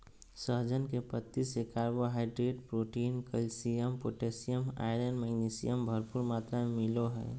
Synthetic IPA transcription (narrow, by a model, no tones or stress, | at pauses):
səɦd͡ʒənkepət̪ːisekaːɾboɦaːɪɖɾeːʈpɾoːʈiːnkəlsijəmpoːʈeːsijəma̰ɪɾənmɛːɡniːsḭjəmbʱəɾpuɾmaːt̪ɾamemɪloɦɛ̰ː